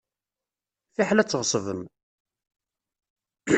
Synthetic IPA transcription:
θiħlæt͡sːəʁəsˤəvəm

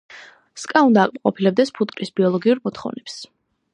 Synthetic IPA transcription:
skʼaund̪aːqʼmaqʼɔpʰilɛb̚d̪ɛspʰut̪̚ʼkʼɾisbiɔlˠɔɡiuɾmɔt̪ʰχɔ̰vnɛps

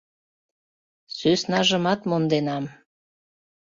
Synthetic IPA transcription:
søsnɑʒəmɑt̪mond̪enɑm

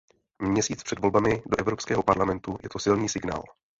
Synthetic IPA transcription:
mɲɛsiːt͡spr̥ɛdvo̞lbamɪdoʔɛvɾo̞pskɛːɦopaɾlamɛnt̪ujɛt̪osɪlniːsɪɡna̰ːl

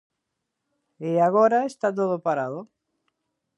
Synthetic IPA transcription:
eaɣ̞oɾaest̪at̪̬oð̞opaɾaðʊ

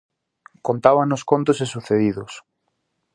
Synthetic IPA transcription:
kont̪aβanoskont̪ʊsesuθeðiðʊs

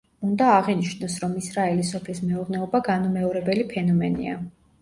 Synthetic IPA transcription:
und̪aːʁiniʃnɔsɾɔmisɾaɛlisɔpʰlismɛuɾnɛɔbaɡanumɛɔɾɛbɛlipʰɛnɔmɛnḭa̰

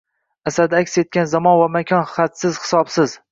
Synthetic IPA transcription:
asad̪akʲse̞t̪̚kʲanzamɒnvamakʲʰɒnχat̪sɪzhɪ̥sɒbsɪz

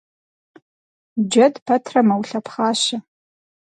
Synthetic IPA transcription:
d͡ʒɐdpʰɐtʰrɐmawɬapʰχaːʃa

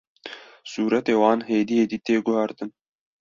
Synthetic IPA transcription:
suːɾɛt̪eːwɑːnheːd̪ijeːd̪iːt̪eːɡʊhæɾt̪ɨn

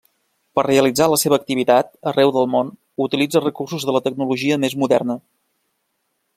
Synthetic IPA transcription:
pərreəlid͡zaləseβəːk̚t̪iβ̞it̪at̪̚ərɛwðəlˠmon | ut̪ilid͡zərəkursuzðələt̪əɡ̚nuluʒiəmezmuðɛrnə

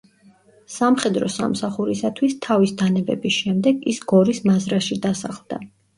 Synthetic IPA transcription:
samχɛd̪ɾɔ̰sa̰msaχuɾisat̪ʰwist̪ʰavisd̪anɛbɛ̰bisʃɛmd̪ɛɡḭsɡ̥ɔɾismazɾaʃid̪asaχlˠd̪̥a̰

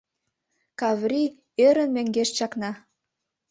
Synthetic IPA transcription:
kɑvrʲi | øɾə̆nmæŋɡeʃt͡ɕɑknɑ

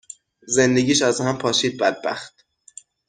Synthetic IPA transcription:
ze̞nd̪e̞ɡiːʃæzhæmpʰɒːʃiːd̪̚bæd̪̚bæ̰xt̪̚

